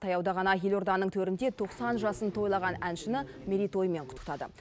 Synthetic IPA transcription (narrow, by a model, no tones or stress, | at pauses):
t̪ʰɑjɑwd̪ɑʁɑnɑjelʲo̞rd̪ɑnːəɴt̪ʰɵɾɪnd̪e̞t̪ʰo̞qsɑnʒɑsənt̪ʰo̞jlˠɑʁɑnænʃɪnɪ | mʲeɾʲijt̪o̞jme̞ɴqʰʊt̪ə̥qt̪ɑd̪ə̰